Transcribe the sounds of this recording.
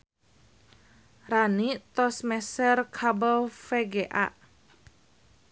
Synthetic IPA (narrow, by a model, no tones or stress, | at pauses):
ranit̪ɔsmɛsərkʰabəlfɛɡeʔa̰ʔ